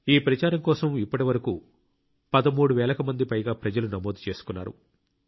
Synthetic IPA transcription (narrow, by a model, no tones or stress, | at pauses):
iːpɾɐt͡ʃaːɾɐmkɔːsɐmipːɐʈiʋɐɾɐku | pɐd̪ɐmuːɽuʋɛːlɐkɐmɐnd̪ipɐjɡaːpɾɐd͡ʒɐlunɐmoːd̪ut͡ʃe̞ːsu̥kunːa̰ːɾṵ